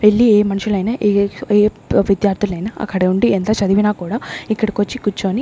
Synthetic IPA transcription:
ʋeɭːieːmɐnuʂulɐjnɐʔeeː | ʋid̪jaːɾt̪ʰulɐjnɐɐ̰kːɐɽeuɳɖient̪ɐt͡ʃɐd̪iʋinaːkuːɽaːikːɐɽikot͡ʃːikut͡ʃːoːni

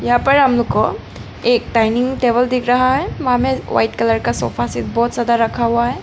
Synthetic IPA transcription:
jɐɦãpəɹɦɐmlokːo | ek̚ʈajniŋʈebəld̪ikʰɾaɦaɦɛʋɐɦãmɛ̃wa̰jʈkɐləɹkasɔ̰pʰasit̪̚bɔːt̪zad̪aɾɐkʰaɦuaɦɛ

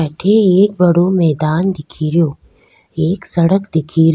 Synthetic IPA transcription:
ɛːʈʰeeːk̚bɐɽomɛːd̪aːnd̪ɪkʰiːɾijoː | eːksɐɽəkd̪ɪkʰiːɾ

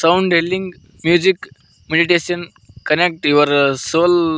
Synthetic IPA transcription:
sauɳɖɦeliŋɡ | mjud͡ʑik | meɖiʈesən | kənek̚ʈiʋəɾsol

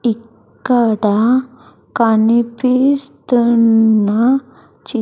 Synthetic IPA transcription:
ikː | aɽa | kanipist̪əna | t͡ɕi

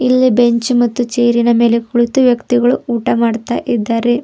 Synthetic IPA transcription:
ilːibe̞ɲt͡ʃumɐt̪ːut͡ʃeːɾinɐme̞ːlekuɭut̪ːuʋjɐkt̪iɣɐɭuuːʈɐmaːɽt̪ːɐʔid̪ːaɾe

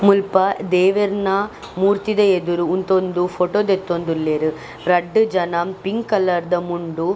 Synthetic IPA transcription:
mulpɐd̪eːʋɐɾna | muːɾt̪id̪ɐed̪uɾuunt̪ond̪ufʰoʈoːd̪et̪ːond̪ulːeɾu | ɾɐɖːɨd͡ʒɐnaːmpiŋɡkɐlːɐɾd̪ɐmuɳɖu

